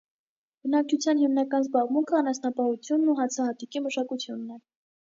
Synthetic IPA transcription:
b̥ənɑk̚t͡ʃʰut͡sʰjɑnɦimnɑkɑnzbɑʁmuŋkʰəɑnɑsnɑpɑhut͡sʰjunːuɦɑt͡sʰɑhɑt̪ikiməʃɑkut͡sʰjunːɛ

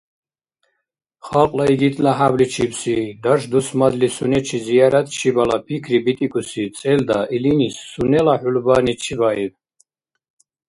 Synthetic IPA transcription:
χalqʼlaiɡit̪ʼlaɦablit͡ʃʰibsid̪aʃd̪usmad̪lisunɛt͡ʃʰizijaɾat̪ʰʼt͡ʃʰibalapʰikʰɾibit̪ʼikʰʼusit͡sʼɛld̪aʔilinisːunɛlaħulbanit͡ʃʰibaib

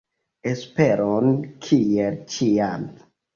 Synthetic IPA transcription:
espeɾonkʰielt͡ʃian

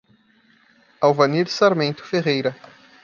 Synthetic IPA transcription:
awvɐniɾsaɾmẽnt̪ʊ̥feʁejɾɐ

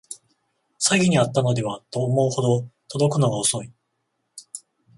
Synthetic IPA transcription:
saɡʲiɲ̟iat̪ːano̞d̪e̞β̞at̪o̞ːmo̞ɯ̟ho̞d̪o̞t̪od̪o̞kɯ̟no̞ɡaoso̞i

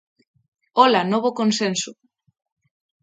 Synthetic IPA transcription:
ɔlanoβokonsensʊ

